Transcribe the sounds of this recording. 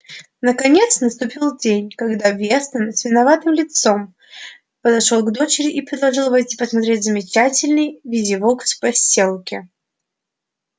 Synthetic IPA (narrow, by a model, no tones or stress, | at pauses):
nəkɐnʲet̪snəst̪ʊpʲilˠdʲenʲkɐɡd̪avvʲest̪vʲɪnəsʲvʲɪnɐvat̪ɨmlʲɪt̪som | pəd̪ɐʂolˠɡd̪o̞t͡ɕɪɾʲɪʔipɾʲɪd̪lˠɐʐɨlˠvɐjtʲi̥pəsmɐt̪ɾʲetʲzəmʲɪt͡ɕatʲɪlʲnɨjvʲidʲɪvokspɐsʲelˠkʲɪ